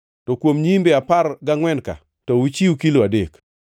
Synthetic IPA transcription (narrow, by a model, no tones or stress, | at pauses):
tɔkwomɲimbeapaɾɡaŋwɛnka̰ | tɔwut͡ʃiukiloadek